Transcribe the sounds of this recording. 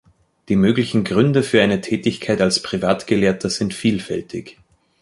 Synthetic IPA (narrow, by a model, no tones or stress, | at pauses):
d̥iːmøːɡlɪçn̩ɡʁʏndəfyːɐʔaɪnətʰɛːtɪçkʰaɪtalspʁ̥ivaːtɡ̥əleːɐtʰɐz̥ɪntfiːlfɛltʰɪ̰ç